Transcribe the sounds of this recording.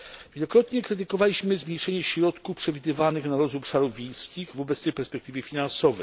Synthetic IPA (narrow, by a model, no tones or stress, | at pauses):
vʲjɛlɔkɾɔt̪ɲɛkɾɘt̪̬ɘkɔvalʲiɕmɘzmɲejʂɛɲɛɕɾɔt̪kufpʂɛvʲid̪ɘvanɘxnaɾɔzɔpʂaɾuvʲejskʲiɣvɔbɛt̪sɛjpɛɾspɛk̚t̪ɘvʲjɛfʲinansɔvɛ